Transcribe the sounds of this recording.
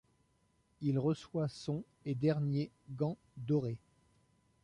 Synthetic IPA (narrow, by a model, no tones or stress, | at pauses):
ilʁəswasɔ̃ | ed̪ɛʁnje | ɡɑ̃ | d̪ɔʁe